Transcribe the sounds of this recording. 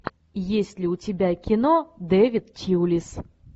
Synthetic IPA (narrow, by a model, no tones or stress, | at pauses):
jesʲlʲɪʊtʲɪbʲakʲɪnɔd̪ɛvʲit̪tʲiwlʲis